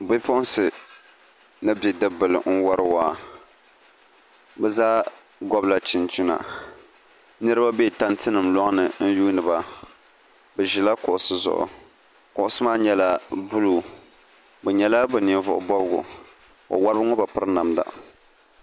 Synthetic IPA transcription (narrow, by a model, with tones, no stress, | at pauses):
bɪ˦pɔ˦n˦sɨ˨ | nɨ˦bi˨dɨ˦bɨ˨lɨ̰˨n̩˦wa˦ɾɨ˦waː˦˨ | bɛ˦zaː˦ | ɡɔ˦bla˨t͡ʃɪ˨nt͡ʃi˦na̰˨ | nɨ˦ɾɨ˦ba˦be˦˨ta˦ntɨ˦nɨ˨mlɔ˦ŋ˦nɨ˨n̩˦juː˦nɨ˨ba˨ | bɛ˨ʒi˨la˦kʊ˨ʔʊ˨sɨ˦zʊ̰˨ʔʊ̰˨ | kʊ˨ʔʊ˦sɨ˦maː˦ɲɛ˦la˦bu˦luː˨ | bɛ˨ɲɛ˨la˦bɨ˨ni˨vʊ̰˨ʔʊ̰˨bɔ˦bɨ˦ɡʊ̰˨ | o̰˨wa˦ɾbɨ˦ŋɔ˦ba˨pɨ˦ɾna˨mda̰˨